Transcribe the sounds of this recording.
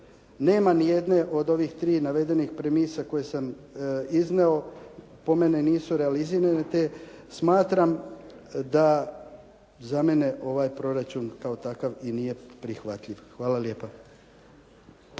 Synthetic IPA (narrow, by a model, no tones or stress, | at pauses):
ne̞ːmanije̞d̪ne̞ʔo̞d̪o̞ʋixt̪ɾiːnaʋe̞d̪e̞nixpɾemiːsako̞jesam | izneo̞ | po̞me̞neniːsuɾe̞aliziɾanet̪e̞smaːt̪ɾam | d̪a | zame̞ne̞ʔo̞ʋaːjpɾo̞ɾat͡ʃunkao̞t̪akaʋinije̞pɾixʋat̪ʎʲiʋxʋaːlalje̞ːpa